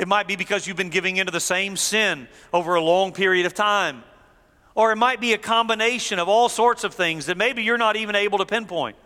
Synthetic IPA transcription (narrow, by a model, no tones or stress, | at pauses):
ɨt̚maɪt̚b̥ibɨkʰʌzjʉɨvbɨ̃nɡɪvɪ̃ŋɪ̃ntʉðɨsẽɪ̃msɪ̃n | oʊvə˞əlɔ̃ŋpʰɪɹiɨɾʌv̥tʰãɪ̃m | ə˞ɨt̚maɪt̚b̥iɨkʰɑ̃mbɨneɪʃɨ̃nʌvɔlˠsɔɹtsʌv̥θɪ̃ŋzðɨt̚meɪbijə˞nəɾivɨ̃ñeɪbl̩ˠtəpʰɛ̃npʰɔ̃ɪ̃nt̚